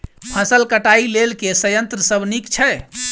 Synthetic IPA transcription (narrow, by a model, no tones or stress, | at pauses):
pʰəsəlkəʈailelkesəjənt̪ɾəsəbnikt͡ʃʰɛ